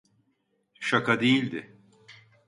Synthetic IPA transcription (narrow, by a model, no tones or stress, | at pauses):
ʃakad̪ejilʲd̪ɪ